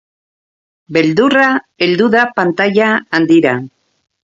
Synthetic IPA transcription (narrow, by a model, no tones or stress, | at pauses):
be̞ld̪ura | eld̪uðapant̪aʎaːnd̪iɾa